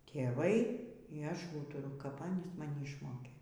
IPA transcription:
tʲeːˈʋɐɪ iː ˈɐʃ ˈuːtʊrʊ kɐp ˈɑːnʲiːs mɐˈnʲɪ ɪʃˈmoːkʲeː

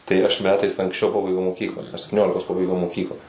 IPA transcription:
tɐɪ ɐʃ ˈmʲæːtɐɪs ɐŋksʲˈt͡ʃʲɛʊ ˈpɑːbɐɪɡʲɛʊ moːˈkʲiːklˠɑː ɐʃ sʲɛpʲtʲɪˈnʲoːlʲɪkoːs ˈpɑːbɐɪɡʲɛʊ moːˈkʲiːklˠɑː

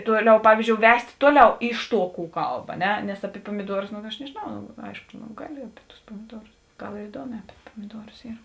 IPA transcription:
ˈtuɔˌlʲɛʊ ˈpɑːʋʲiːzʲˌd͡ʒʲoːʊ ˈʋʲɛsʲtʲ ˈtuɔˌlʲɛʊ ˈɪʃ ˌtuɔ kuː ˈkɐlˠp ɐ ˈnʲɛ nʲɛs ɐpʲɪ puɔmʲɪˈduɔrʊs nʊ ɐʃ nʲɛʒʲeːˈnɐʊ noː ˈɐɪʃkoː noː ˈɡɑːˌlʲɪ ɐpʲɪ tʊs poːmʲɪˈduɔrʊs ˈɡɐlˠ ɪr ɪˈduɔˌmʲɛː ɐpʲɪ poːmʲɪˈduɔrʊs ˈiːr

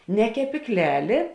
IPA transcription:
nʲɛ kʲɛpʲiːkˈlʲæːlʲeː

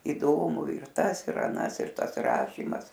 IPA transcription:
iːˈdoːmʊ ɪr ˈtɐs ɪr ɐˈnɐs ɪr ˈtɐs ˈrɑːʃʲiːmɐs

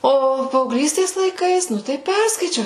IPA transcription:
ˈoː pɐɐʊɡˈlʲiːsʲtʲeːs lˠɐɪˈkɐɪs ˈnʊ tɐɪ ˈpʲɛrskɐɪt͡ʃʲɛʊ

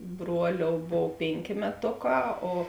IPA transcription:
ˈbruɔˌlʲoːʊ ˈboːw ˈpʲeːŋʲˌkʲeː mʲɛˈtoːˌkɑː oː

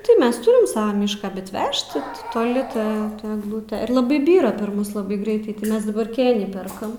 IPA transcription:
tɐɪ ˈmʲɛs ˈtuːrʲɪm ˈsɑːʋɑː ˈmʲiːʃkɑː bʲɛt ˈʋʲɛʃt tʲɪ toːˈlʲɪ ˈtɐ ɛɡˈlˠʊtʲɛ ɪr lˠɐˈbɐɪ ˈbʲiːrɐ pʲɛr ˈmʊs lˠɐˈbɐɪ ˈɡrʲɛɪtɐɪ tɐɪ ˈmʲɛs dɐˈbɐr ˈkʲeːnʲiː ˈpʲɛrkɐm

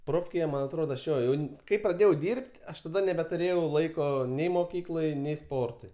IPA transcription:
ˈproːfʲkʲeːjɛ ˈmɐn ɐtˈroːdoː ɐʃ ˈjoː jɛʊ ˈkɐɪ prɐˈdʲeːjɛʊ ˈdʲiːrpt ˈɐʃ tɐˈdɐ nʲɛbʲɛtʊˈrʲeːjɛʊ ˈlˠɐɪkoː ˈnʲɛɪ moːˈkʲiːklˠɐɪ ˈnʲɛɪ ˈspoːrtʊɪ

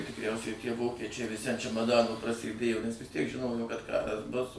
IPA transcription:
tʲɪkˈrʲɛʊsʲɛɪ tʲiɛ ˈʋoːkʲɛt͡ʃʲɛɪ ʋʲɪˈsʲɪ ɐn t͡ʃʲɛmɐˈdɑːnoː prɐsʲeːˈdʲeːjoː nʲɛs ʋʲɪs ˈtʲiɛk ˈʒʲɪnoːjoː kɐt ˈkɑːrɐs bʊs

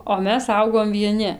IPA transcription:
oː ˈmʲɛs ˈɐʊɡoːm ʋʲiɛˈnʲɪ

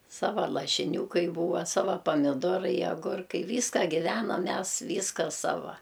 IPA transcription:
ˈsɑːʋɐ lˠɐʃʲɪˈnʲuː ˈkɐɪ ˈbuːʋɐ ˈsɑːʋɐ pɐmʲɪˈdoːrɐɪ ɐˈɡʊrkɐɪ ˈʋʲiːskɐ ɡʲɪˈʋʲæːnɐm ˈmʲɛs ˈʋʲiːskɐ ˈsɑːʋɐ

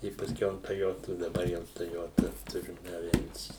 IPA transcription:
ɪ pɐsʲˈkʲɛʊ ɐn toːˈjoːtʊ dɐˈbɐr jɛʊ toːˈjoːtɐ ˈtʊrʲɪm ɐˈʋʲɛnʲsʲiː

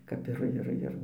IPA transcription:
kɐp ˈɪr ˈɪr ˈɪr

